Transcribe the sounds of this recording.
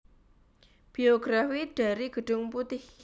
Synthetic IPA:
b̥ioɡ̥ɾafiɖ̥a̤ɾiɡ̥ə̤ɖ̥ʊ̤ŋput̪ɪh

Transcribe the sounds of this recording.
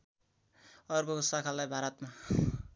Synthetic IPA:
ʌrkokosakʰalajbʱaɾʌt̪ma

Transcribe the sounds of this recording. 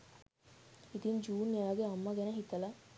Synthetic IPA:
it̪iɲd͡ʒuːnaaɡeɐmːɐɡɛnɐɦit̪ɐlɐ

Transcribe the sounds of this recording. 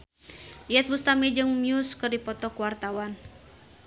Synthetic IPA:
iɛt̪̚bust̪amɛd͡ʒɨŋmiuskɨrdipɔt̪ɔkuwart̪awan

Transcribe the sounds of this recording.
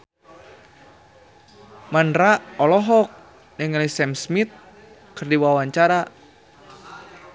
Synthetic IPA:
manɾaʔɔlɔɦɔk̚ | nəŋlisɛmsmit̪̚ | kɨrdiwawaɲt͡ʃaɾa

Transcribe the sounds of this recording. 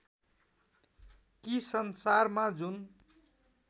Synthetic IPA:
kisʌnsarmad͡zun

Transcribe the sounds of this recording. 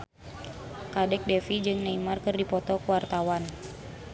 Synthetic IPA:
kadɛk̚dɛfid͡ʒɨŋnaimarkɨrdipɔt̪ɔkuwart̪awan

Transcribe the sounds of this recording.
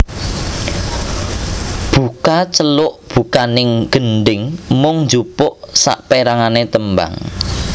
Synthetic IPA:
b̥ukat͡ʃəlʊʔb̥ṳkanɪŋɡ̥ənɖɪŋmʊŋnd͡ʒupʊʔsa̰ʔpeɾaŋanet̪əmba̰ŋ

